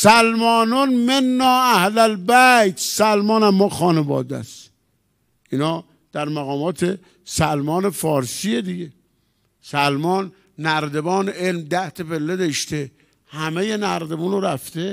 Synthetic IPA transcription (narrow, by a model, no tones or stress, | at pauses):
sælmɒːnonmenːɒːæhlælbæjt̪ʰsælmɒːnæmːɒːxɒːnevɒ̰ːd̪æ̰s | ʔinhɒː | d̪̥æɾmæɣɒːmɒːt̪ʰe | sælmɒːnefɒːɾsied̪iɡe | sælmɒːnː | æɾd̪ebɒːneelmd̪æht̪ʰepelːed̪eʃt̪e | hæmejenæɾd̪ebuːnoɾæft̪e